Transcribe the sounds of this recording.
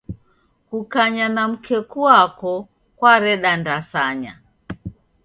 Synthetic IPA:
kukaɲanam̩kʰɛkuakɔ | kwaɾɛɗandasaɲa

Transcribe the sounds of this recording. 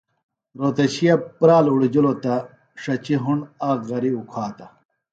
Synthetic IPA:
ɾoːt̪ɐɕijɐpɾaːluɽid͡ʑulot̪ɐ | ʂɐt͡ɕiɦuɳaːkɣɐɾiukʰaːt̪ɐ

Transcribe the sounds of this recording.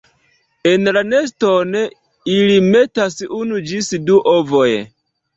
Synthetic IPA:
enlane̞s̬ton | ilime̞tasunud͡ʒisduʔovo̞j

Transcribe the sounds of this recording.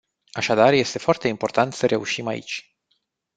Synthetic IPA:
aʃad̪arje̞st̪e̞foart̪e̞impo̞rt̪ant̪səɾʔe̞uʃimaḭt͡ʃʲ

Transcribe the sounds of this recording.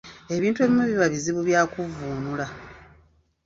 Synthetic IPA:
e̞βiːntue̞βimuβiβaβiziβuβjaːkuvuːnula

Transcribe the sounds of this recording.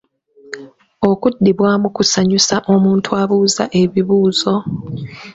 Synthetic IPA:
o̞kudːiβwaːmukusaɲusaʔo̞muːntʰuaβuːzaʔe̞βiβuːzo̞

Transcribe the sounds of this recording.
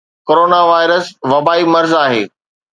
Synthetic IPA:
koːɾoːnaʋaːɪɾəsʋɐbaːimɐɾzaːɦḛː

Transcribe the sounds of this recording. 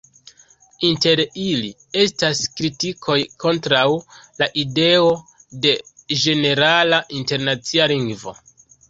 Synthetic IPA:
inte̞ɾili | e̞staskɾitikʰo̞jkʰo̞ntɾawlaʔide̞o̞de̞d͡ʒe̞ne̞ɾalaʔinte̞ɾnat͡sialiŋɡvo̞̰

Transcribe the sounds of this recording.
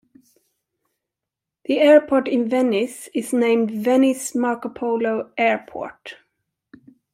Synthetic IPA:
ðiɛɹpʰɔɹʈɪ̃nvɛnɪsɪznẽɪ̃mdvɛnɪsmɑɹkəpʰoʊloʊʔɛɹpʰɔ̰ɹt

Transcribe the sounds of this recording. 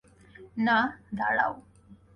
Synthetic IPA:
nad̪a̰ɽa̰w

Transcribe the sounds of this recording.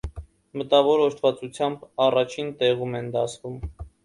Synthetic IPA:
mət̪ɑvɔɾɔʃt̪ʰvɑt͡sut͡sʰjɑmbɑrɑt͡ʃʰint̪ɛʁumɛnd̪ɑsvum

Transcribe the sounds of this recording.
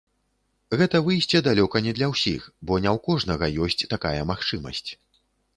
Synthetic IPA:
ɣɛt̪ɐvɨjsʲt͡sʲɛd̪alʲɔkɐnʲɛd̪lʲɐwsʲḭxbɔnʲɛwkɔʐnɐɣɐjɔsʲt͡sʲt̪aka̰jɐmaxt͡ʂɨmɐ̰sʲt͡sʲ

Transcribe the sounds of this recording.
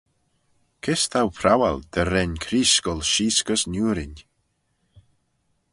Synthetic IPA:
kʰɪst̪ʰawpʰɾawa̰ld̪̥əɾɛnkʰɾiːskɔlʃiːskəsnuːɾɪn

